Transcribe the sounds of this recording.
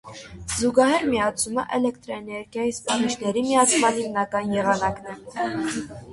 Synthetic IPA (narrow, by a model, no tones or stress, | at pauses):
zuɡɑɦɛɾmijɑt͡sʰuməʔɛlɛkt̪ɾɔɛnɛɾɡjɑjispɑnit͡ʃʰnɛɾimijɑt͡sʰmɑnhimnɑkɑnjɛʁɑnɑknɛ